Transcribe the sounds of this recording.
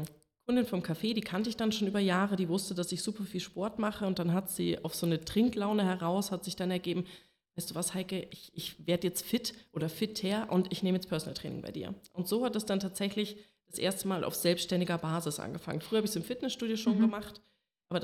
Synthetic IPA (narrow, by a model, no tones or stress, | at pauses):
kʰʊndɪnfɔmkʰafeːdiːkʰantəɪçd̥anʃoːnʔyːbɐjaːʁədiːvʊstədasɪçz̥uːpɐfiːlʃpɔɐtmaχəʊntd̥anɦatz̥ḭːa̰ʊfz̥oːnətʁ̥ɪŋklaʊnəhɛɐʁaʊshatz̥ɪçd̥anɛɐɡeːbm̩ | vaɪstd̥uːvashaɪkəʔɪçɪçveːɐdəjɛt͡stfɪtʔoːɾɐfɪtheːɐʔʊntɪçneːməjɛt͡spʰɛɐonɛ̰ltʁ̥ɛ̰ːnɪ̰ŋba̰ɪdḭːɐʔʊntz̥oːhat̚d̥asd̥antʰaːtz̥ɛçlɪçd̥asʔḛːɐstəmaːlʔa̰ʊfz̥ɛlpstʃtɛndɪɡɐbaːzɪsʔa̰nɡəfa̰ŋənfʁyɐhabɪsɪmfɪtnɛsʃtuːdjoʃoːnɡəmaχt | ʔʔaːbɐ